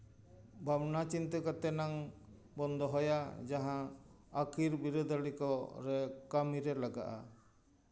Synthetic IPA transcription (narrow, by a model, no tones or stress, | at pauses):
bʱabnat͡ʃint̪əkat̪ɛnaŋ | bɔnd̪ɔɦɔjad͡ʒaɦãː | kʰiɾbiɾod̪ʱalikɔɾɛkamiɾɛlaɡa̰ʔa̰